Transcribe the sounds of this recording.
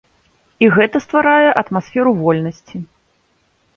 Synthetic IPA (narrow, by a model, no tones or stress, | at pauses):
iɣɛt̪ɐst̪vaɾajɛʔɐt̪masfʲɛɾuvɔlʲnɐsʲt͡sʲi